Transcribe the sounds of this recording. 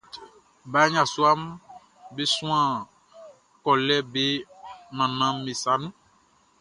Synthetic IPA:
ba˨˦ɲã˨su˦a˦m | be˦sũ˦ã˦˨ | kɔ˨lɛ˦be˦nã˨nã˨˦mẽ˨sa˨˦nũ˦

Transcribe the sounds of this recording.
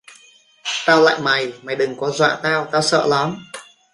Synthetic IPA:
t̪aː˧wla̰ː˧˨jma˨˩jma˨˩jɗɨ˨˩ŋkɔ˨˦zwa̰ː˧˨t̪aː˧wt̪aː˧wsə̰ː˧˨la˨˦m

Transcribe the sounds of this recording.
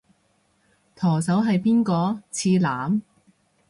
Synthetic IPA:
t̪ʰɔː˨˩sɐ˨˥wɦɐ˨jpiː˥nkɔː˧t͡sʰiː˧laː˨˥m

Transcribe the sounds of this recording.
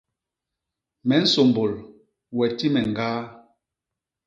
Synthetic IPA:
mɛ˨n̩˦so˨mbo˨l | wɛ˨ti˦mɛ˨ŋ˨ɡaː˦

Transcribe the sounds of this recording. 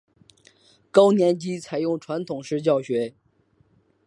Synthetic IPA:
kɑ˥ʊnjɛ˧˥nt͡ɕi˥t͡sʰa˨˩ɪjʊ˥˩ŋʈ͡ʂʰwa˧˥nt̪ʰʊ˨˩ŋʂɻ̩˥˧t͡ɕjɑ˥˩ʊɕɥɛ˧˥

